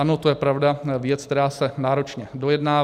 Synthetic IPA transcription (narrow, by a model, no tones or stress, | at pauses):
anot̪ojɛpɾavdavjɛt͡sk̚t̪ɛɾaːsɛnaːɾo̞t͡ʃɲɛdo̞jɛdnaː